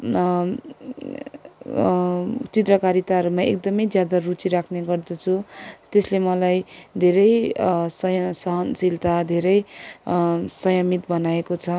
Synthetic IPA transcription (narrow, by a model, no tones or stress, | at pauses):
t͡sit̪rʌkaɾit̪aɾumaek̚d̪ʌmʌjd͡zjad̪arut͡siɾakʰneɡʌrd̪ʌt͡sʰut̪eslemʌlajd̪ʱeɾʌjsʌjʌsʌɦʌnsilt̪ad̪ʱeɾʌj | sʌjʌmit̪bʌnaekot͡sʰʌ